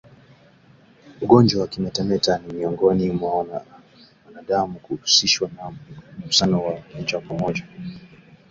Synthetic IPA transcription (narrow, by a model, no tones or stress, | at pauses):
uɠɔnd͡ʒwawakimatɛmɛtanimiɔŋɡɔnimwa | wanaɗamukuɾusiʃwanausanawakɔɲd͡ʒwakwamɔʄa